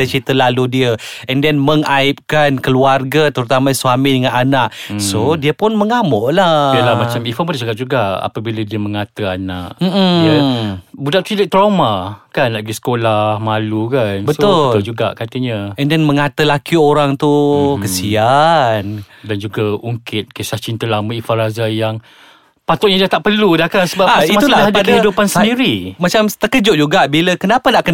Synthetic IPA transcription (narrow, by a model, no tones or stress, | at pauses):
at͡ʃit̪əlaludiəɛndɛnməŋaɪp̚kankəluarɡat̪əɾut̪amasuamidəŋananaʔsodiəpʊnməŋamɔʔlaialamat͡ʃamifɔmədd͡ʒaɡad͡ʒuɡaa̰pabiladiəməŋat̪əana̰ʔm̩m̩əbudaʔt͡ʃiliʔ̚t̪ɾawmakanlaʔɡisə̥kolahmalukanbəsʊlt̪ʊld͡ʒuɡa̰ʔkat̪əɲəɛndɛnmə̃ŋat̪əlakioɾaŋt̪ukəsian | dand͡ʒuɡauŋkɪt̪̚kesaht͡ʃint̪əlamaifaɾazajaŋ | pat̪ʊʔ̚ɲadiat̪aʔpərludahkansəbapitmaulalaadakdəɦidupansəndiɾimat͡ʃamt̪əkəd͡ʒʊtʔ̚d͡ʒuɡaʔbiləkənapanaʔkən